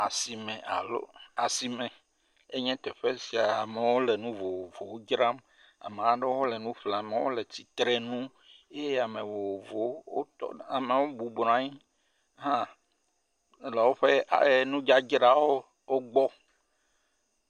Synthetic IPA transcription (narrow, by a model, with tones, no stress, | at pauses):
a˨si˨mɛ̃˨ʔa̰˨lo̰˦a˨si˨mɛ̃˨ | e˦ɲɛ̃˦t̪ɛ˨ɸe˦si˨a˨a˨me˨wo˦lɛ˨nũ˦vo˨wo˨vo˨wo˦d͡ʒɾa˦m | a̰˨me˨a˨ɖe˦wo˦lɛ˨nũ˦ɸla˨me˨wo̰˦le˨t̪i˦t̪ɾɛ˦nũ˦ | e˦ja˨mẽ˨vo˨wo˨vo˨wwo̰˦t̪ɔ̰˦a˨me˨wo˦bu˨bɾã˨˦ɲi˦ | ɦã˦ | lɛ˨wo˦ɸe˦a̰˨je˦nũ˦d͡ʒa˦d͡ʒɾa˦wo˦ | wo˦ɡ͡bɔ˦